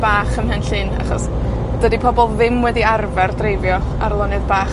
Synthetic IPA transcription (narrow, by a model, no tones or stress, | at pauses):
b̥aːχənɦənɬɨna̰χɔ̰s | d̥ədipʰɔbɔlˠðɪmwɛdiarvɛrdrejvjɔ | arlˠɔnɨðbaː